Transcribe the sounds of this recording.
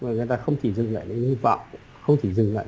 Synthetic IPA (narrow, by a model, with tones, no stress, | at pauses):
aː˨˩ŋɨ˨˩jt̪aː˧xə˧wŋ͡mt̪ʰi˧˩zɨ˨˩ŋla̰ː˧˨jɗə˧˦ɲ˧˩va̰˧˨wŋ͡m | xə˧wŋ͡mt̪ʰi˧˩zɨ˨˩ŋla̰ː˧˨